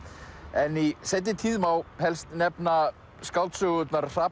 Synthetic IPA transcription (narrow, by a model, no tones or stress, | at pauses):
ɛnisɛjt̪̬ːɪt̪ʰiːðmaːwhɛlst̪nɛpna | skawlt̪sʏɣʏtnaɾr̥ap